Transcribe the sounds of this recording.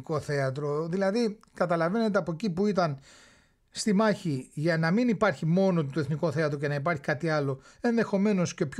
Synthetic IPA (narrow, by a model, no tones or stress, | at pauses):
koθe̞ɐt̪ɾo̞ðilɐði | kɐt̪ɐlɐve̞ne̞t̪̬eɐpoecipuit̪ɐn | st̪imɐçiʝɐnɐminipɐɾçimo̞no̞t̪oeθniko̞θe̞ɐt̪ɾo̞ce̞nɐip̬ɐɾçikɐt̪iɐlo̞e̞nðe̞xo̞me̞no̞sce̞pç